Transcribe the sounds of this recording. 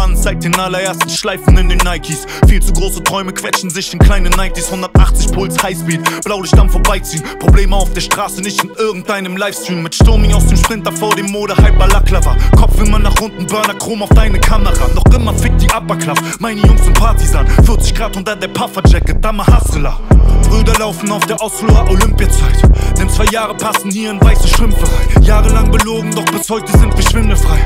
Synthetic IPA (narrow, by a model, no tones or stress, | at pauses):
ansz̥aɪt̚d̥eːnalɐeːɐstn̩ʃlaɪfn̩ɪndeːnːaɪtʰis | fiːlt͡suɡʁoːsətʁ̥ɔʏməkv̥ɛt͡ʃn̩zɪçɪnkʰl̥aɪnənːaɪtishʊndɐtʔaχt͡sɪçpʰʊlt͡shaɪsfiːtb̥laʊlɪçd̥anfoɐbaɪt͡siːənpʁ̥obleːməaʊfd̥eːɐʃtʁ̥aːsənɪçtmɪtʔɪɐɡŋ̩tʔaɪnəmlaɪfstʁiːmmɪtʃtʊɐmɪŋaʊsd̥eːmʃpʁ̥ɪnt̚daɐfoːɐdeːmːoːɾəhaɪp̚b̥alaklavɐkʰɔfv̥ɪnmanːaːχʁʊndn̩bœɐnɐkʁ̥oːmaʊfd̥aɪnəkʰaməʁa̰nɔχʔɪmɐfɪk̚td̥iːʔapɐkl̥af | maɪnəjʊŋstɪnpʰaɐtizaːnv̥ɪɐtz̥ɪçɡ̥ʁaːtʔʊntɐdeːɐpʰafɐd͡ʒɛkəd̥aməhasəlaʁyːbɐlaʊfn̩aʊfd̥eːɐʔaʊsfloːɐʔolʏmpiat͡saɪtd̥eɪːmt͡sv̥aɪjaːʁəpʰasn̩hiːɐɪnvaɪsəʃv̥ɪmfəɪjaːʁəlaŋbəloːɡŋ̩dɔχb̥ɪshɔʏtəzɪntɡ̥əɐʃv̥ɪndəfʁ̥aɪ